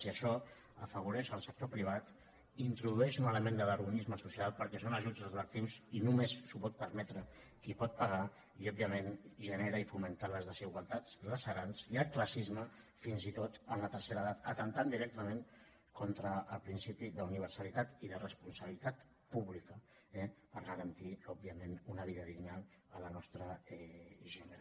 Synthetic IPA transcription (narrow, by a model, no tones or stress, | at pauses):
siəʃɔ | əfəβ̞uɾɛʃəlˠsək̚t̪opɾiβ̞at̪ | int̪ɾuðuɛʃunələmend̪ələɾɣunizməsusialˠpəɾkɛsonəʒud͡zuðlək̚t̪iwzinumesːupɔt̪̚pəɾmɛt̪ɾə | kipɔt̪̚pəɣ̞a | iɔbiəmenʒəneɾəifumənt̪aləzðəziɣwəlˠt̪ad͡zləsəɾansiəlˠkləsizmə | finzit̪ot̪ənlət̪əɾseɾəðat̪ət̪ənt̪and̪iɾɛk̚t̪əmeŋ | kɔnt̪ɾəːlˠpɾinsipiðəuniβ̞əɾsəlit̪at̪iðərəspunsəβilit̪at̪ | puβlikə | ɛpəɾɣəɾənt̪iɔb̚biəmenunəβiðəðiɡɲal | ələnɔst̪ɾəɛʒɛnəɾ